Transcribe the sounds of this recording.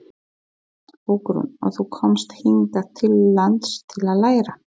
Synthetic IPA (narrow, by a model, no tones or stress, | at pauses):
ukɾṵnɔ̰ɣθukʰɔmst̪hint̪at̪ʰɪlːant̪st̪ʰɪlaðlaːjɾa